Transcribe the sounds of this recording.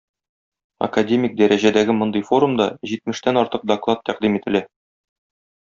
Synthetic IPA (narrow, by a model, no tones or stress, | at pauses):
ɐ̰kadʲemʲɪk̚d̪æɾʔæʑæd̪æɡɘmŏnd̪ɤjfo̞ɾumd̪ɑʑit̪̚mɘ̆ʃt̪ænɒɾt̪ɤq̚d̪ɐklˠat̪ːæqd̪imit̪ɘ̆læ